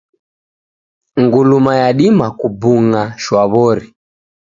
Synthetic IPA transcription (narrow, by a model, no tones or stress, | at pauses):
ŋɡulumajaɗimakubuŋaʃwaβɔɾi